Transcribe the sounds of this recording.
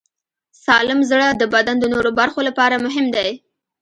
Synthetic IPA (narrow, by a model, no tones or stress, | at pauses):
sɑlɪmzɽəd̪əbad̪and̪ənoɾobaɾxolapɑɾamʊɦɪmd̪aj